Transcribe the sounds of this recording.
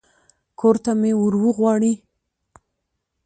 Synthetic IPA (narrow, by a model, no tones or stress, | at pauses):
kʰoɾt̪amewəɾwəɣwɑɽi